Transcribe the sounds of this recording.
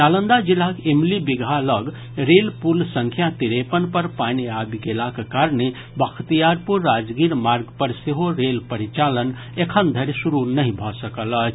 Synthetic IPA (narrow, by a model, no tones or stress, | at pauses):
alənd̪ad͡ʒilakemlibiɡʱaləɡ | ɾelpulsəŋkʰjat̪iɾepənpəɾpaniabiɡelakekaɾne | bəkʰt̪ijaɾpuɾːad͡ʒɡiɾmaɾɡpəɾseɦoɾelpəɾit͡ʃalən | ekʰənd̪ʱəɾsuɾunəɦĩbʱɔsəkələt͡ʃʰ